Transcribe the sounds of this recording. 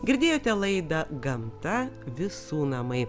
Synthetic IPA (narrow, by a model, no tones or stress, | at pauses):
ɡʲɪɾʲd̪ʲeːjoːt̪ʲɛlˠɐɪd̪ɐɡɐmt̪ɐʋʲɪsuːnɐmɐɪ